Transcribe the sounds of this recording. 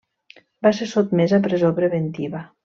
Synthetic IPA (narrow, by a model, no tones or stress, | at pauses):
basesot̪mezapɾezopɾeβent̪iβa